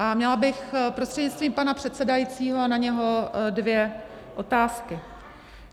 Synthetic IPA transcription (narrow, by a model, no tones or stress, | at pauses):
ʔamɲɛlabɪxpɾost̪r̥ɛdɲɪt͡sst̪viːmpanapr̝̥ɛt̪sɛdajiːt͡siːɦo̞naɲɛɦo̞dvjɛ | ʔo̞t̪aːskɪ